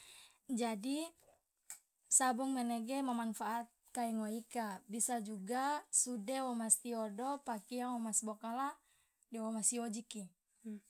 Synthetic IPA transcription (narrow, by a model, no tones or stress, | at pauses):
d͡ʒadi | sabɔŋmɛnɛɡɛmamanfaʔːt̪̚kaiŋɔikabisad͡ʒuɡasudɛwɔmast̪iɔdɔpakijaŋɔmasbɔkala | dɛwɔmasiod͡ʒiki